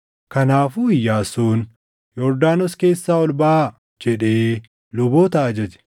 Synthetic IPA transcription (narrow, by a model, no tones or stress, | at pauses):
kɐnaːfuːɪjːaːsuːn | jɔɾd̪aːnɔske̞ːsːaːɔlbaː | d͡ʒɛᶑe̞ː | lʊboːt̪ɐʔɐd͡ʒɐd͡ʒɛ̥